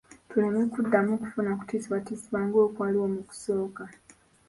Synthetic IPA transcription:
tulanekudːamuku̥funaku̥tiːsiwatiːsiβaːŋɡo̞ːkwaːliwo̞muku̥so̞ːka

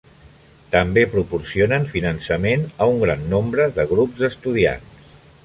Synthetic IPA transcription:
t̪əmbepɾupursionəɱfinənsəmenəuŋɡɾanːombɾəðəɣ̞ɾupzəst̪uð̞ia̰ns

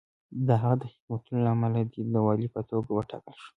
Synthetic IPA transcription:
d̪əɦaɣad̪əhɪmat̪unolaamalad̪id̪əwɑlipət̪oɡawəʈɑ̰kəlʃu̥

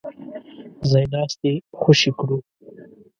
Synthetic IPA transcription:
zajnɑːst̪exʊʃikɽu

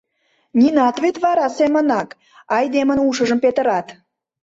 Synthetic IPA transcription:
nʲinɑt̪βet̪βɑɾɑsemə̆nɑk | ɑjd̪emənuʃəʒəmpet̪ə̆ɾɑt̪

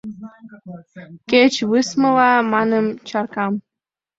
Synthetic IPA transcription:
ket͡ɕβɨsmə̆lɑmɑnəmt͡ɕɑrkɑm

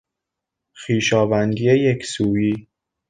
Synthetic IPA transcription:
xiːʃɒːvænd̪iːjejekʰsuːiː

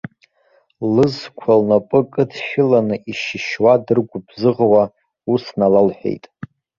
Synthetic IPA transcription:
lɨzkʷʰalnapʼɨkʼɨtʰʃᶣɪlanɨʔiʃɪʃwadɨrɡʷʊbzɨʁwa | usnalalħʷᶣḛjtʼ

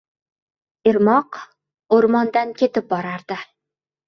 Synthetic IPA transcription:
ɪɾmɑq | oɾmɒnd̪ankʲʰet̪ɪp̚bɒɾaɾd̪̥ɪ

